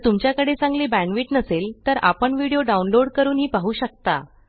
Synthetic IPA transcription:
t̪umt͡ɕjakəɽesãŋɡliːbæ̃nʋiːʈnəselt̪əɾa̰pəɳʋiɽijoɖaunloɽkəɾuːnɦiːpaɦuːɕək̚t̪a̰

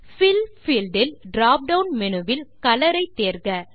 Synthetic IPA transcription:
fɪlfiːlɖɪlɖɾaːp̚ɖɐwnmɛnɯʋɪlkɐlɐɾɐɪt̪ːeːɾɡɐ

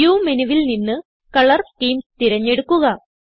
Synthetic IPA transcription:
juːmenuʋilninːɨ | kɐɭɐrʈiːmt̪iɾɐɲːe̞ɽukːuɣɐ

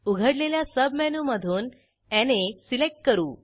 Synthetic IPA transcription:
uɡʱəɽleljasəbʱmɛnuməd̪ʱuːn | ɛnesilek̚ʈ̚kəɾuː

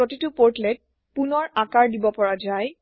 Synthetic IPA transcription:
otitʊpoɹtlɛt̚ | punɔɹakaɹdibɔpɔɹad͡ʒaj

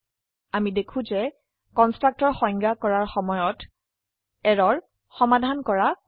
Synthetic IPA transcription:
amidekʰũzɛ | kɔnstɹak̚tɔɹxɔjŋɡakɔɹaɹxɔmɔjɔt | ɛɹɔɹ | xɔmadʱankɔɹa

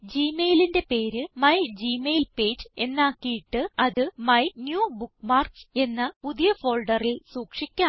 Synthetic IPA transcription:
d͡ʑiːmejlinde̞pe̞ːɾɨmɐjd͡ʑiːmejilpe̞ːd͡ʑe̞nːaːkːijiʈːɨɐðɨmɐjnjuːbukːmaːrkse̞nːɐpuðijɐfo̞ːlɖɐrilsuːkʂikʲːaːm

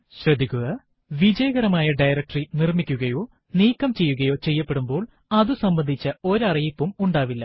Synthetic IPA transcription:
ɕrɐd̪ʱːikʲːuɣɐ | ʋid͡ʑɐjɐɣɐɾɐmaːjɐɖɐjrɐk̚ʈrinirmikʲːuɣɐjo̞ː | niːkːɐmt͡ɕe̞jːuɣɐjo̞ːt͡ɕe̞jːɐpːe̞ɽumbo̞ːɭ | ɐðusɐmbɐnd̪ʱit͡ɕːɐo̞ɾɐrijipːumuɳɖaːʋilːɐ

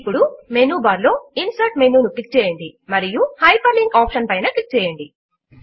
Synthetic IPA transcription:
pːuɽumenuːbaːɾlo̞ːinsɐɾʈ̚menuuklik̚t͡ʃɛːjɐɳɖimɐɾijuhɐjpʰɐliŋɡaːpʃɐnpɐjnɐklik̚t͡ʃɛːjɐɳɖi

